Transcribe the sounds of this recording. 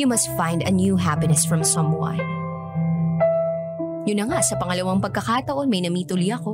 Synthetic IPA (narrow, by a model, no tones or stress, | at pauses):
jumɐst̪fãjnd̪ɐnjuɦapɪnɛsfɹɔ̃msɐ̃mwã̰ɪ | jʊnːɐŋaʔsɐpɐŋɐlɐwaŋpɐɡ̚kɐkat̪ɐʔo̞nmɐjnɐmiːt̪ʊlijɐko̞